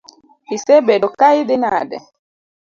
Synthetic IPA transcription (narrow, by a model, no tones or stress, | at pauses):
isɛbɛdɔkaidɛnadɛ̰